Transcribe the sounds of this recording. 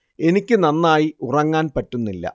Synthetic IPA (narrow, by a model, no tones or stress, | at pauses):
e̞nikʲːɨnɐnːaːjiurɐŋːaːnpɐtːunːilːɐ̰